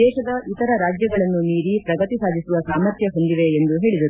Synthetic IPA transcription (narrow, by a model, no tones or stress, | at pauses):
ɛːʃɐd̪ɐʔit̪ɐɾɐɾaːd͡ʒjɐɡɐɭɐnːuniːɾipɾɐɡɐt̪isaːd̪isuʋɐsaːmɐɾt̪ʰjɐɦo̞nd̪iʋe̞ːnd̪uɦe̞ːɭid̪ɐɾu